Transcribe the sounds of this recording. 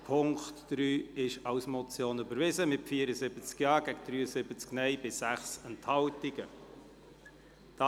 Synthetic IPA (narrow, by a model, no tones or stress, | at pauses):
pʰʊŋkt̪dɾyːɪʃɑwsmɔt͡sjoːnybəɾvɪzəmɪtfiəɾəzɪb̥ət͡skjɑːɡ̥ɛɡəd̥̪ɾyːəzɪbət͡sknɛɪb̥ɪsæχsɛnthɑltiɡə | d̥ɑ